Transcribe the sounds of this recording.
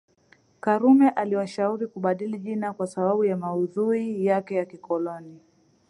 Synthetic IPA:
kaɾumɛʔaliwaʃauɾikuɓaɗiliʄinakwasaɓaɓujamauðuijakɛjakikɔlɔni

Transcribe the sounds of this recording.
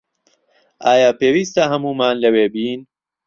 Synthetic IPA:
ʔaːjaːpeːwiːst̪aɦɐmuːmaːnlɐweːbiːn

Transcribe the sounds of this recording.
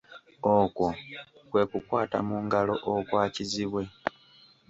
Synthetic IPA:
okwo̞kwe̞ːkukwaːta̰muŋɡalo̞ʔokwaːciziβwe̞

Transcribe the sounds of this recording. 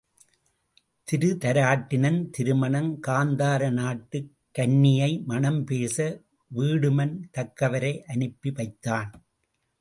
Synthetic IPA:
t̪ɪɾɯt̪ɐɾaːʈːɪnɐnt̪ɪɾɯmɐɳɐŋkaːnd̪aːɾɐnaːʈːɯkːɐɳːɪjɐɪmɐnɐmpeːsɐ | ʋiːɽɯmɐnt̪ɐkːɐʋɐɾɐɪʔɐnɯpːiʋɐɪt̪ːaːn

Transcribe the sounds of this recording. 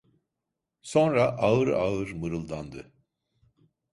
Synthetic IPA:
so̞nɾaʔaɯɾa̰ɯɾmɯɾɯlˠd̪and̪ɯ

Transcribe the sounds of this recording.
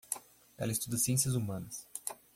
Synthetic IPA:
ɛ̰lɐist̪ud̪ɐsiẽs̬ijɐzumɐ̃nɐs

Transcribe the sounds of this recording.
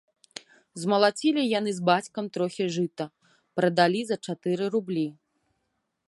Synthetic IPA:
zmɐlˠat͡sʲilʲijan̪ɨzbat͡sʲkɐmt̪ɾɔxʲiʐɨt̪ɐ | pɾɐd̪alʲizɐt͡ʂat̪ɨɾɨɾublʲi

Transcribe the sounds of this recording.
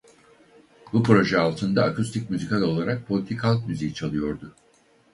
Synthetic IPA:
bupɾo̞ʒɛalˠt̪ʰɯnd̪aːkʰust̪ʰic̚ʲmʲyzikʰalˠolˠaɾak̚pʰo̞lʲit̪ʰikhalˠk̚mʲyzijit͡ʃʰalˠɯjo̞ɾd̪ʊ

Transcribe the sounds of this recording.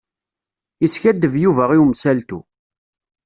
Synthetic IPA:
isçæd̪ːəvjuvæʁiwmsælt̪ṵ

